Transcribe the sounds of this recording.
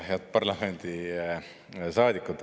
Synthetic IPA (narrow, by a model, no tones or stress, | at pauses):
ɦjɑt̪̚pɑrlɑme̞nʲd̪̥i | sɑːd̪ikːˑut̪